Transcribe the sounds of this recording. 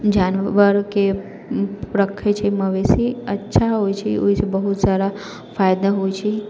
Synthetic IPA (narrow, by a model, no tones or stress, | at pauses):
d͡ʒanʋəɾke | pɾəkʰːet͡ʃʰeməʋesiətːʃʰaɦojt͡ʃʰeo̰jsebəɦut̪saɾa | fajd̪aɦojt͡ʃʰe